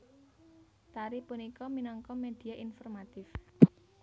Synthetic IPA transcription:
t̪aɾipunikɔminɔŋkɔmed̪̥i̤aʔinfɔrmat̪ɪf

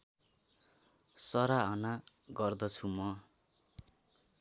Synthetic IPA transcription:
sʌɾaʌna | ɡʌrd̪ʌt͡sʰumʌ

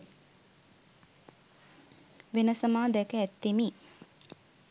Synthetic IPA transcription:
ʋenəsəmaːd̪ɛkəæt̪ːemi

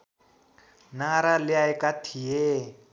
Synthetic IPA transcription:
naɾalɪaɛkat̪ʰie

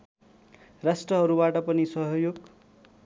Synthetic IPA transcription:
rasʈrʌɦʌɾubaʈʌpʌnisʌɦʌjoɡ

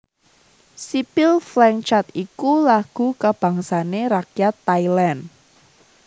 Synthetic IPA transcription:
sipilflɛŋt͡ʃat̪ikulaɡ̥ṳkab̥ä̤ŋsaneɾakjat̪ːailan

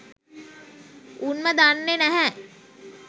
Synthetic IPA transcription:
unməd̪anːenɛɦɛ

